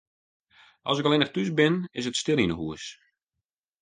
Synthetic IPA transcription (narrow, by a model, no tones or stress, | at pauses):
ʔɔ̰sɪkəlɪnəχtys̬bɪnɪsətstɪlˠinəɦuəs